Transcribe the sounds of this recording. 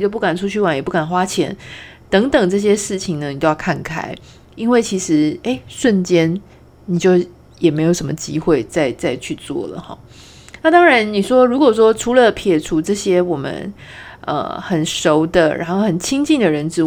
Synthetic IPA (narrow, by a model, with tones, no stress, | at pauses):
t͡ɕjo˥˧p̬u˥˩ka˨˩nʈ͡ʂʰu˥t͡ɕʰy˥˩wa˧˦njɛ˨˩pu˥˩ka˨˩nxwa˥t͡ɕʰjɛ̰˧˥n | t̪ɤ˧˥ŋt̪ɤ˨˩ŋʈ͡ʂɤ˥˩ɕ̬jɛ˥ʂɻ̩˥˩t͡ɕʰi˨˩ŋnə˩ni˨˩t͡ɕ̪jo˥˧jɑ˥˧kʰa˥˩nkʰa̰˨˩ɪ | i˥nwe˥˩ɪt͡ɕʰi˧˥ʂɻ̩˧˥e˥˩ɪʂwə˥˩nt͡ɕjɛ˥n | ni˨˩t͡ɕjo˥˩ʊ | jɛ˨˩me˧˥ɪjo˨˩ʊʂə˧˥mə˧t͡ɕi˥xwe˥˧ɪt͡sa˥˧ɪt͡sa˥˧ɪt͡ɕʰy˥˧t͡swɔ̰˥˩lə̰˩xɔ̰˥˩˦ | na˥˩t̪ɑ˥ŋɻa˧˦nni˨˩ʂwɔ˥ɻu˧˥kwɔ˨˩ʂ̬wɔ˥ʈ͡ʂʰu˧˥lə˨pʰjɛ˨˩ʈ͡ʂʰu˧˥ʈ͡ʂɤ˥˩ɕjɛ˥wɔ˨˩mə̰˦nʔə̰˧xə˨˩nʂo˧˥ʊd̪ə˧ɻʔa̰˧˥nxo˥˩ʊxə˨˩nt͡ɕʰi˥ŋt͡ɕi˥˩ŋd̪ə˩ɻə˧˦nʈ͡ʂɻ̩˧˥